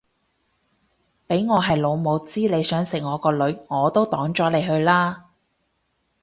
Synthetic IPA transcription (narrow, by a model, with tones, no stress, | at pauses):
pe˨˥jŋɔː˨˧ɦɐ˨jlo˨˧wmo˨˧wt͡siː˥le˨˧jsœː˨˥ŋsɪ˨k̚ŋɔː˨˧kɔː˧lɵ˨˧ɥŋɔː˨˧t̪o˥wt̪ɔː˨˥ŋt͡ʃɔː˨˥le˨˧jɦɵ˧ɥlaː˥